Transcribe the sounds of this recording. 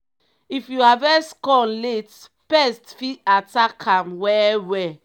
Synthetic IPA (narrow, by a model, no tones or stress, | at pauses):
ifjuhavɛskɔ̃nlet | pɛstfiatakʰãmwɛwɛ